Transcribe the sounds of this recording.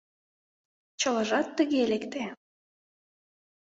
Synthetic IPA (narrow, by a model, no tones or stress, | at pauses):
t͡ɕələʒɑt̪ːəɣelekt̪e